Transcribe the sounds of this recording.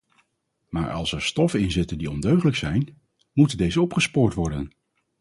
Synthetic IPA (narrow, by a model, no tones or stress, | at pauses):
ma̰ːɹʔɑ̰lˠsɛɹstɔfəɪnzɪtəndiɔndøɥχələksɛjn | mutəndejzəɔpχəspʊːɹtʋɔɹdən